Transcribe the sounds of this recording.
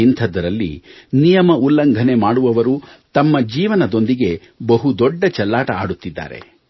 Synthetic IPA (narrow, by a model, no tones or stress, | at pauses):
int̪ʰɐd̪ɐɾɐlːḭnijɐmɐulːɐŋɡʱɐne̞maːɽuʋɐʋɐɾut̪ɐmːɐd͡ʒiːʋɐnɐd̪o̞nd̪iɡe̞ | bɐɦud̪ɔɖːɐt͡ʃɐlːaːʈɐa̰ːɽut̪ːid̪ːa̰ːɾe̞̰